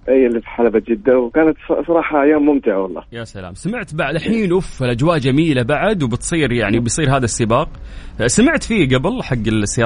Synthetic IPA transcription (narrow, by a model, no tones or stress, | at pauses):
ʔijːalːifiħalabat̪d͡ʒɪd̪ːawkaːnat̪ssˤɑɾˤɑːħajoːmːʊmt̪ɪʕawɑlˤːɑ̰ːjaːsala̰ːmsamɪʕt̪baʕd̪alħiːnʔufɪlʔad͡ʒwaːʔd͡ʒamiːlabaʕd̪wbɪt̪sˤiːɾjaʕnibɪjsˤiːɾɦaːðasːɪbɑːq̚samɪʕt̪fiːɡabɪlħaɡːɪlsːɪ